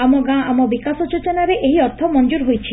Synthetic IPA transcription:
amɔɡãamɔbikasɔt͡ʃot͡ʃɔnaɾeʔeɦiɔɾt̪ʰɔmɔnd͡ʒuɾɦojt͡ʃʰi

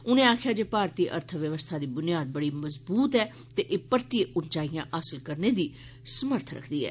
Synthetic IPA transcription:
ʊnẽːaːkʰjaːd͡ʒeːpaːɾt̪iːʔə̰ɾt̪ʰəʋjəʋəst̪ʰaːd̪iːbʊnɪjaːd̪̚bəɽiːməzbuːt̪ɛː | t̪eːʔeːpəɾt̪ieʔʊnt͡ʃaːijãːɦaːsəlkəɾneːd̪iː | səməɾt̪ʰɾə̰kʰd̪iːɦɛ̰ː

